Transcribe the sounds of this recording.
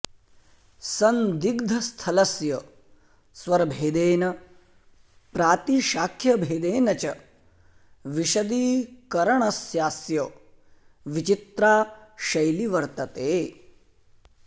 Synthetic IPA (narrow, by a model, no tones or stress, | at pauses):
sɐnd̪iɡd̪ʱɐst̪ʰɐlɐsjɐ | sʋɐɾbʱeːd̪eːnɐ | pɾaːt̪iʃaːkʰjɐbʱeːd̪eːnɐt͡ʃɐ | ʋiʃɐd̪iːkɐɾɐɳ̃ɐsjaːsjɐ | ʋit͡ʃit̪ɾaːʃɐjliʋɐɾt̪ɐt̪eː